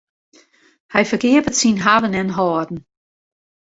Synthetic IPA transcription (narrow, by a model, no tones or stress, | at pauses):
hajfəɡ̥ɪːbətsiːnɦaʋənɛnɦɔːdn̩